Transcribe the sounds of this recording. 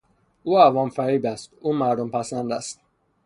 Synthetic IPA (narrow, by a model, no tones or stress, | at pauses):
uːævɒmfæɾiːbæst̪uːmæɾd̪ompʰæsænd̪æ̰st̪